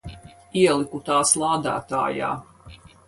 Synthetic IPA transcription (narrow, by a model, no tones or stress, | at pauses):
iɛlˠikut̪aːslˠɑːd̪a̰ːt̪a̰ːja̰ː